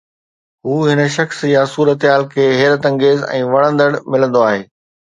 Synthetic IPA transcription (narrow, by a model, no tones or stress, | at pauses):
ɦuːɦɪnə̆ʃɐxsjasuːɾət̪ɦaːlkʰeːɦeːɾət̪ɐ̃ŋɡeːzɛ̰̃ːʋɐɽ̃ə̃nd̪əɽmɪlə̃nd̪oaːɦeː